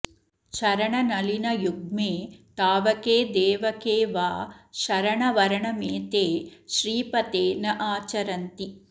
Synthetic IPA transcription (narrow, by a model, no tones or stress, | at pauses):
ʃɐɾɐɳɐnɐlinɐjuɡ̚meːt̪aːʋɐkeːd̪eːʋɐkeːʋaːʃɐɾɐɳɐʋɐɾɐɳɐmeːt̪eːʃɾiːpɐt̪eːnɐʔaːt͡ʃɐɾɐnt̪i